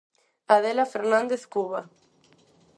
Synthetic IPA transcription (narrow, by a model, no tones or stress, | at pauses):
aðelafeɾnãnd̪eθkuβa